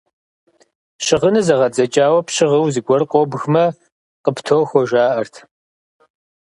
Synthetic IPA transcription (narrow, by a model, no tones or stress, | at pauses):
ɕɪʁənɨzɐʁɐd͡zɐt͡ʃʼaːwɐpɕɪʁəwzɨɡʷɔrqʷʼɔbxmɐ | qəptʰowxʷɔʒaːʔɐrtʰ